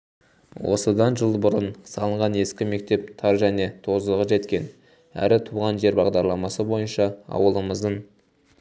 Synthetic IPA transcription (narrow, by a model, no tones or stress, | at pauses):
wʔo̞̰səd̪ɑnʒəlˠbʊɾənsɑlˠəɴʁɑne̞skʲɪme̞k̚t̪e̞p̚t̪ʰɑɾʒæne̞t̪ʰo̞zəlˠəʁəʒe̞t̪kʲe̞n | æ̰ɾɪt̪ʰuʁɑnʒe̞ɾbɑʁd̪ɑɾlˠɑmɑsəbo̞jənʃɑɑ̰wəlˠəməzd̪əɴ